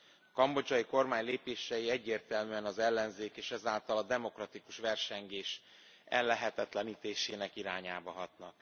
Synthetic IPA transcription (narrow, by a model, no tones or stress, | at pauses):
ɒkɒmbo̞d͡ʒɒjiko̞rmaːɲleːpeːʃɛjiɛɟːeːrt̪ɛlmyːɛnɒzɛlːɛnzeːkeːʃɛzaːlt̪ɒlɒd̪ɛmo̞krɒt̪ikuʃʋɛrʃɛŋɡeːʃ | ɛ̰lːɛɦɛt̪ɛt̪lɛniːt̪eːʃeːnɛkiɾaːɲaːbɒɦɒt̪nɒk